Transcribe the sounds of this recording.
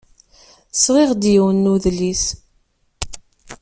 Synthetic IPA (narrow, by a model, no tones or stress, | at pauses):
sʁiʁd̪jəwənːuðlis